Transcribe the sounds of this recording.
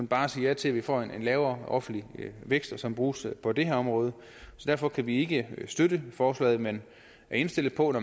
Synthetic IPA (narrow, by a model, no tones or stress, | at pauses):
unb̥ɑ̈ːsiːjæt͡sʰe̝læʋifɒ̰ːe̝nenlɛːʊɐɒ̽fn̩dliʋeɡ̥sd̥ɒsɒ̽mb̥ʁuːspʰɒ̽d̥e̝heɐ̰ɒ̽mʁɔ̽ːð̞ˠ | sɒ̽d̥æɐ̰fɒ̽kʰæʋie̝ɡ̥əsd̥øɾəfɒːslɛ̰ɪð̩ˠmen | e̝nsd̥e̝l̰ð̩ˠpʰɒ̽nɒ